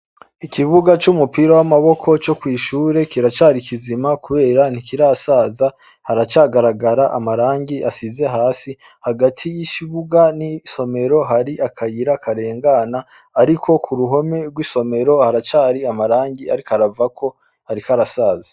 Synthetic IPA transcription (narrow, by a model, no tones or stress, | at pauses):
ikiβuɡat͡ʃumupiɾowamaβo̞kʰo̞t͡ʃokwiːʃuːɾe̞kiɾat͡ʃaːɾikʰizimakuβe̞ːɾan̥ikiɾasaːza | haɾat͡ʃaɡaɾaɡaɾaʔa̰maɾaːŋɡiʔasize̞ɦaːsi | haɡatʰijit͡ʃiβuɡaniso̞me̞ɾo̞ɦaɾiʔakʰajiɾakʰaɾe̞ːŋɡanaː | ɾikʰo̞kʰuɾuɦo̞me̞ɾɡwiso̞me̞ɾo̞haɾat͡ʃaːɾiamaɾaːŋɟia̰ɾikaɾavakʰo̞ | haɾikaɾasaːza